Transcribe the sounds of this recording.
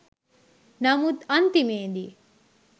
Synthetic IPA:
nɐmut̪ɐnt̪imeːd̪i

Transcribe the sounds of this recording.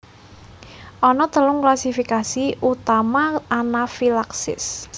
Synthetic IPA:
ʔɔnɔt̪əlʊŋklasifikasiut̪amaːnafilaksɪ̰s

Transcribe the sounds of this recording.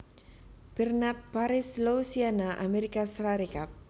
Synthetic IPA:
b̥ɛrnap̚paɾɪslousianaʔa̰meɾikasɾaɾikap̚

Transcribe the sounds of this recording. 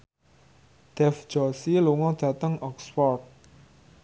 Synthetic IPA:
d̪̥ɛfd͡ʒ̥ɔsiluŋɔd̪̥ä̤t̪əŋʔɔksfɔrt̪̚

